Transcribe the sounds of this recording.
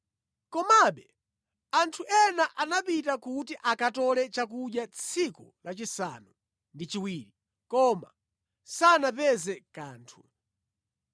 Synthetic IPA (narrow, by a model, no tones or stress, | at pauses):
kɔmaɓɛ | antʰuʔɛnaʔanapitakutiʔakatɔlɛt͡ʃak̬uɗjat͡sʰikulat͡ʃisa̰nu | ndit͡ʃiwiːɾi | kɔma̰ | sanapɛzɛkaːntʰu